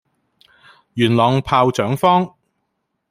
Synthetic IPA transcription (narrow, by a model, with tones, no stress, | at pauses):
jyː˨˩nlɔː˨˩ŋpʰaː˧wt͡sœː˨˥ŋfɔː˥ŋ